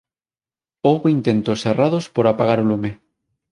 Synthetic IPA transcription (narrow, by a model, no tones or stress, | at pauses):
owβoint̪e̞nt̪oseraðospoɾapaɣ̞aɾolume